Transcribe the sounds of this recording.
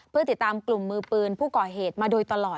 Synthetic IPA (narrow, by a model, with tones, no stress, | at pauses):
pʰɯ˥˩ɐt̪i˨˩t̪ːaː˧mklu˨˩mːɯː˧pɯː˧npʰuː˥˩kɔː˨˩ɦeː˨˩t̪̚maː˧doː˧jt̪a˧lɔː˨˩